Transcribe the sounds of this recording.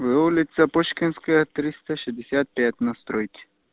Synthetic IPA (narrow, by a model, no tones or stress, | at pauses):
ʋɪulʲɪt̪sɐpɔʃkʲɪnskɐjɐt̪ɾɪst̪ɐʃɪzʲd̪ʲɪsʲat̪̚pʲjat̪ʲnɐst̪ɾɔjkʲi̥